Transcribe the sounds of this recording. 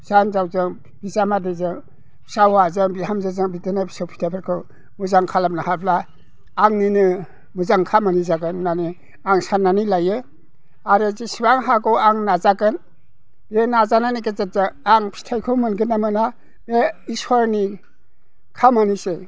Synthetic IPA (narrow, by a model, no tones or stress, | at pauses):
sanzawzɯŋ | b̥izamadezɯŋ | bsawazɯŋbihamzazɯŋbitɯnapʰi̥sawpʰi̥tʰapʰeɾkʰɯ | muzaŋkʰalam̚nahapʰlaː | ŋninɯ | muzaŋkʰamanizaɡɯnːani | aŋsanːanilajɯ | aɾɯzisibaŋɦakɯwaŋnazaɡɯn | b̥nazananikezat̚zaaŋpʰi̥tʰajkʰɯwmɯnɡɯnːamɯna | beisaɾni | kʰamanise